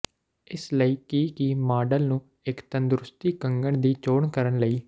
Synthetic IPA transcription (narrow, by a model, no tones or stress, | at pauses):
ɪsləiːkiːkimaːɖəlnũː | ɪkt̪ənd̪ɾʊst̪iːkəŋɡəɳd̪iːt͡ʃoːɳkəɾənləiː